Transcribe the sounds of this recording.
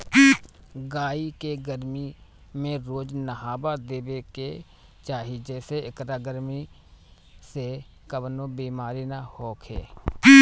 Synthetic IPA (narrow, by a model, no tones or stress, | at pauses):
ɡaːiːkeːɡəɾmiː | mẽɾoːd͡ʒnəɦaːbaːd̪eːʋeːke | t͡ʃaːɦiːd͡ʒɛːseɪkɾaːɡəɾmiː | se | kəbnõːbiːmaːɾiːnahoːkʰḛː